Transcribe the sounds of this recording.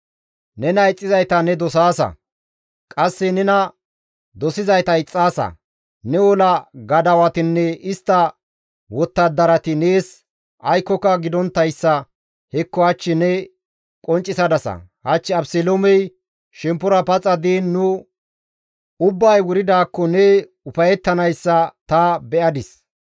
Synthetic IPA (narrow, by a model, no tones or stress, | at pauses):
nɛnɐɪt͡sʼːɪzɐjt̪ɐnɛd̪ɔsaːsɐ̰ | kʼɐsːɛnɛnɐ | d̪ɔsɪzɐjt̪ɐɪt͡sʼːaːsɐ̰ | nɛwɔlɐɡɐd̪ɐwɐt̪ɪnːɛɪst̪ːɐ | wɔt̪ːɐd̪ːɐɾɐt̪ɪneːs | ʔɐjkːɔkːɐɡɪd̪ɔnt̪ːɐjsːɐ | hɛkːɔhɐt͡ʃːɪnɛ | kʼɔnt͡ʃʼːɪsɐd̪ɐsɐ̰hɐt͡ʃːɪɐbselomɛj | ʃɛmpːʊɾɐpɐt͡sʼːɐd̪iːnːʊ | ʊbːɐjwʊɾɪd̪aːkːɔnɛ | ʊpɐjɛt̪ːɐnɐjsːɐt̪ɐbɛʔɐd̪ɪs